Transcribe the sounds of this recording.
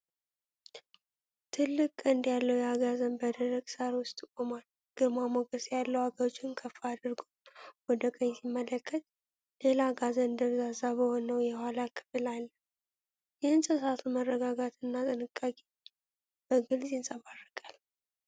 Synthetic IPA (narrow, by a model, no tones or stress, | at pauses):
t̪ʰɨlːɨkʼɨnd̪jalːəwjaɡazənbəd̪əɾəɡsaɾwʊst̪ʼɨkʼomal | ɡ̥əmamoɡəsjalːəwaɡəɾot͡ʃːɪnkʰəfːaad̪ɨɾɡomwɔd̪əkʼəɲːsimːələkʰːət̪̚ | lelaɡazənd̪əɾzazaβəhonəwjɛhalakʰɨ̥fɨlalː | jɪhɨnsʼəsat̪ʰumərːəɡaɡat̪ɨnːat̪ʼɨnɨkʼːakʼe | b̥əɡɨlzjɪnsʼəβarːəkʼal